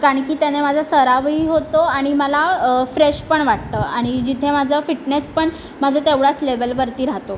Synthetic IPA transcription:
kaɾaɳkiːt̪janemad͡zʱasəɾaʋɦiːɦot̪oaɽ̃iməlafɾeɕpəɳʋaʈ̚t̪əːaɽ̃id͡ʑit̪ʰemad͡zʱəfiʈnespəɳ | mad͡zʱət̪eʋɽat͡slebəlbəɾt̪iːɾaɦt̪o

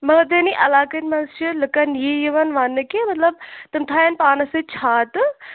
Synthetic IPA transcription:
mɐd̪eniʔɐlaːkɐnʲmɐnst͡ʃɨlɨkɐnjijɐʋɐnʋaːnːɨkemɐt̪lɐb̚t̪ɨmt̪ʰaːjɐnpaːnɐsɨt͡ʃʰaːt̪ɨ

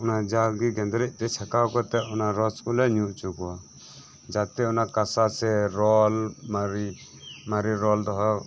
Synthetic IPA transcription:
unad͡ʒalɡiɡɛnd̪ɾɛc̚ˀt̪ɛt͡ʃʰakawkɔt̪ɛunaɾɔskulɛɲuʔt͡ʃuɡɔa | d͡ʒat̪ɛunakasasɛɾɔlmaɾi | maɾiɾɔld̪ɔɦɔ

